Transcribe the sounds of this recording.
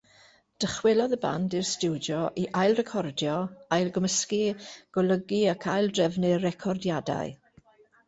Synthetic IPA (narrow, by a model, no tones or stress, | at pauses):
d̥əχwɪlˠɔðəba̰ndirstɪwdjɔʔiʔajlˠrɛkʰɔrdjɔajlˠɡəməskiɡ̥ɔləɡiakʰajlˠdrɛvnɪrːɛkʰɔrdjada̰ɨ